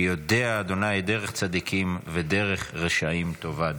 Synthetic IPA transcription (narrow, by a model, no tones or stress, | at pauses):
jod̪eaːd̪o̞najd̪e̞ʁeχt͡sad̪ikʰimved̪e̞ʁeχʁeʃaimt̪o̞vad̪